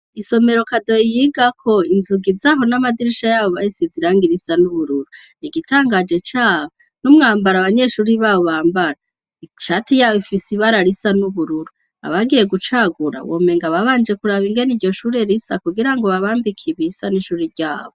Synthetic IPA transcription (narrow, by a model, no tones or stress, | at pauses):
iso̞me̞ɾo̞kado̞ijiɡakʰo̞inzuɡizaɦo̞namadiɾiʃajaβoβaisiziɾaːŋɡiɾisanuβuɾuɾu | iɡitʰaːŋɡad͡ʒe̞t͡ʃaːβo | numŋaːmbaɾaβaɲe̞ʃuːɾiβaːβoβaːmbaɾa | ʃatijaːβifisiβaɾaɾisanuβuɾuɾu | a̰βaɡije̞ɡut͡ʃaɡuɾa̰wo̰me̞ŋɡaβaβaːnd͡ʒe̞kuɾaβiŋɡe̞niɾɟo̞ʃuːɾe̞ɾisakuɡiɾaŋɡo̞βaβaːmbikʰiβisaniʃuːɾiɟaːβo